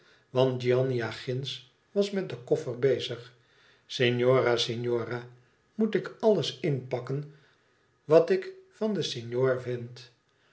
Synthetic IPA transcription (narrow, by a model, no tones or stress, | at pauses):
ʋɑnt̚d͡ʒiɑniaχɪns | ʋɑsmɛt̚dəkɔfəɹbejzəχ | seɲjoːraseɲjoːraː | mutɪkɑləsɪnpɑkən | ʋɑtɪkfɑndəseɲjoːɹvɪnt